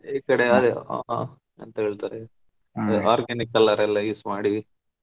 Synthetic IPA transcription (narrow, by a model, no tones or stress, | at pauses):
eːkɐɽeɐd̪ḛ | ɐnt̪ɐɦeːɭt̪aːɾe | ʔaːɾɡenikɐlːɐɾɛlːɐjismaːɽi